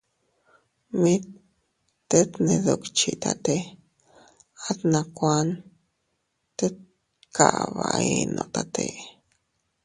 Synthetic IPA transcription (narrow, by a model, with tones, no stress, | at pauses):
mĩ˦t | t̪e˦t̪nẽ˧d̪o˧kt͡ʃi˧t̪a˧t̪e˧ | a˦t̪nã˧kʷa˦n | t̪e˦t̪ | kʰa˨βa˨i˧nʔõ̰˧ʔt̪a˧t̪ʰe˧